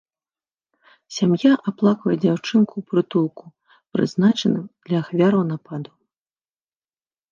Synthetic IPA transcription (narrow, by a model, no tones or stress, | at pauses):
sʲamjaʔaplˠakvɐjɛd͡zʲawt͡ʂɨnkupɾɨt̪ulˠku̥ | pɾɨ̰znat͡ʂɐnɨmd̪̥lʲɐːxvʲaɾɐwnapad̪u